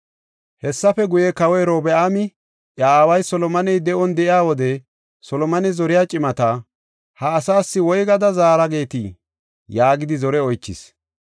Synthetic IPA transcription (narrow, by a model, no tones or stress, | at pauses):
hɛsːɐfɛɡʊjɛkɐwɔjɾoːbɛʔamɪ | ʔɐaːwɐjsɔlɔmɐnɛjd̪ɛʔɔnd̪ɛʔɪjaːwɔd̪ɛ | sɔlɔmɐnɛzɔɾɪjaːt͡ʃʼɪmɐt̪ɐ | hɐːsaːsːɪwɔjɡɐd̪ɐzaːɾɐɡe̞ːt̪i | jaːɡɪd̪ɪzɔɾɛɔjt͡ʃːɪ̰s